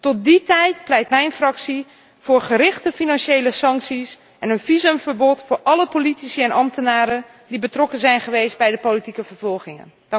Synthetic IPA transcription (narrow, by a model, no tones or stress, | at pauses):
tɔt̚ditɛjt̚plɛjtmɛjnfrɑksi | fʊːrχəɾɪχtəfinɑnʃejləsɑŋksis | ʔɛnənfizəmvəɹbɔtfʊːɹʔɑləpolitisiɛnʔɑmtənaːɾə | dibətrɔkənzɛjnχəʋejst̚bɛjdəpolitikəvəɹvɔlˠxɪŋə̰n